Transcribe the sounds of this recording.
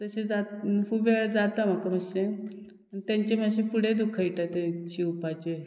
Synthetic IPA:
t̪əsẽd͡zafubeɭd͡zat̪am̤akəm̤əst͡ɕẽ | t̪jaɲt͡ɕemaɕefuɽ̤ed̪ukʰːəjʈat̪et͡ɕiupat͡ɕe

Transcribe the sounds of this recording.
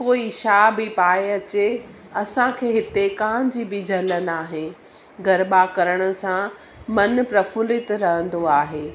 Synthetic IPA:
koːiʃaːbɪpaːeɐt͡ɕe | ɐsãkʰeːɦɪt̪ekãːd͡ʑibɪd͡ʑʱɐlənaːɦe | ɡɐɾbakɐɾəɽ̃ʊ̆sã | mɐnpɾɐfʊlɪt̪ɾɐɦə̃nd̪oaːɦeː

